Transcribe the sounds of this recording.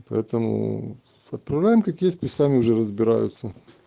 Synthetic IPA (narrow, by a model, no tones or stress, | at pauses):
pɐ̰ɛt̪əmʊ̰ | ɐt̪̚pɾɐvlʲæjɪmkakjesʲt̪̚ʲt̪ʲʊsʲsamʲɪʊʐɛɾəzbʲɪɾa̰jʊ̰t̪sə